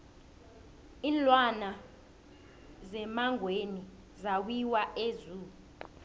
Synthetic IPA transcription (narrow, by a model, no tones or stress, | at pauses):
iːnlwana | zɛmaŋweni | zaw̬wiwaʔezuːu